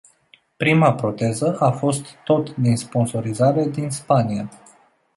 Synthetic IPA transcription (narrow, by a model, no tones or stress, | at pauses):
pɾimapɾo̞t̪e̞zəʔafo̞st̪ːo̞t̪d̪inspo̞nso̞ɾizaɾe̞d̪inspania